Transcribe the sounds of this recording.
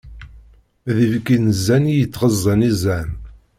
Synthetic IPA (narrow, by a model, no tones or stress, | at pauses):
ðəvkːinzːænijət͡sːʁəzˤːənizæn